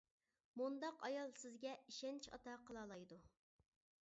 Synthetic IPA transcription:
mund̪ɑqɑjɑlˠsɪzɡʲɛiʃɛnt͡ʃʰɑ̰t̪ɑqʰəlˠɑːlˠɑjd̪u

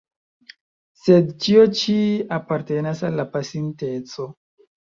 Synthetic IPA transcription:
sedt͡ʃio̞t͡ʃiapaɾte̞nasalːapasinte̞t͡so̞

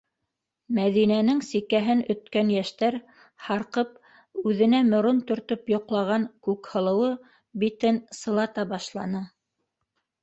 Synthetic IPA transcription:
mæðinænɘŋsikæɦɘnɵ̆t̪kænjæʃt̪æɾ | hɑɾqɤp̚ | ʉðɘ̆næmŏɾunt̪ɵ̆ɾt̪ɵpjŏqlˠɑʁɑŋkʉkhɤ̆lˠɤ̆wɤ | bit̪ɘnsɤ̆lˠɑt̪ɑbɑʃlˠɑnɤ

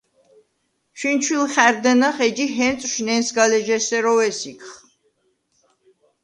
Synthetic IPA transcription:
ʃint͡ʃʰwilχæɾd̪ɛnaχɛd͡ʒiɦɛnsʼʃnɛnsɡalɛʒɛsɛɾɔvɛsikʰχ

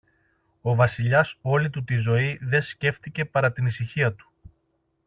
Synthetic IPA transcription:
o̞vɐsiʎɐso̞lit̪ut̪izo̞iðe̞sce̞fθt̪ice̞pɐɾɐt̪inisiçiɐt̪u̥

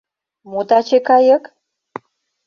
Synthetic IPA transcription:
mut̪ɑt͡ɕekɑjə̆k

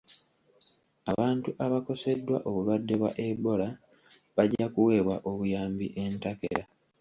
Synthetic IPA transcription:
aβaːntuʔaβako̞se̞dːwa̰ʔo̞βulwadːe̞βwa̰ʔebo̞la | βaɟakuwe̞ːβwaʔo̞βujaːmbiʔe̞ntakḛɾa

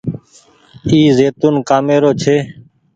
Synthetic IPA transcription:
iːzeːt̪unkaːmeːɾoːt͡ʃʰeː

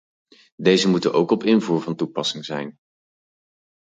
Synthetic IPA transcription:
dejzəmutənʔowkɔpɪnvuːɹvɑntupɑsɪŋzɛjn

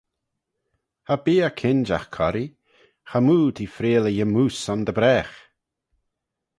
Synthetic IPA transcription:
habiːəkʰɪnd͡ʒa̰xkʰɔɾi | xamuːt̪ʰiːfɾeːləjəmuːsɔnd̪əbɾɛːx

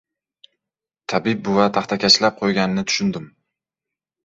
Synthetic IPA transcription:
t̪ʰabɪb̚bʊvat̪ʰaχt̪ʰakʲʰat͡ʃlap̚qʰojɡʲanɪnɪt̪ʰʊ̥ʃʊnd̪ɪm

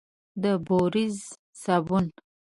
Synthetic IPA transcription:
d̪əboɾiz | sabun

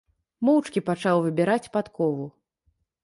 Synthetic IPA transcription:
mɔwt͡ʂkʲipat͡ʂawvɨbʲɛɾat͡sʲpat̪kɔvu

